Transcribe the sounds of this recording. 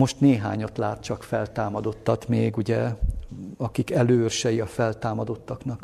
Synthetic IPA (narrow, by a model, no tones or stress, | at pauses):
mo̞ʃt̪neːɦa̰ːɲo̞t̪laːt̪̚t͡ʃɒkfɛlt̪aːmɒd̪o̞t̪ːɒt̪meːɡuɟɛ | ɒkikɛløːørʃɛjiɒfɛlt̪aːmɒd̪o̞t̪ːɒknɒk